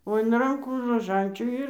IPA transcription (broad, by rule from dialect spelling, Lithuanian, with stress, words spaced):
oː ɪn ˈrɐŋkuː roːˈʒɐnʲt͡ʃʲuː ˈɪr